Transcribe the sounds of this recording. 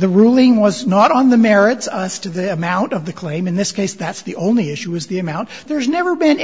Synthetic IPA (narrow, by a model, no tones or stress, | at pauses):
ðɨɹulˠɪ̃ŋwʌznəɾn̩ðɨmɛɹɪtsʌz̥tʰɨðiɨmãʊ̃ntʌvðɨkʰl̥ẽɪ̃mɨ̃nðɪskʰeɪsðætsðiʔõʊ̃nliɪʃʉɨzðiɨmãʊ̃nðə˞znɛvə˞bɪ̃n